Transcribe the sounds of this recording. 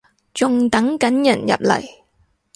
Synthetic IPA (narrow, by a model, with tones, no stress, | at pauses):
t͡sʊ˨˧ŋt̪ɐ˨˥ŋkɐ˨˥njɐ˨˩njɐ̰˨p̚lɐ̰˨˩j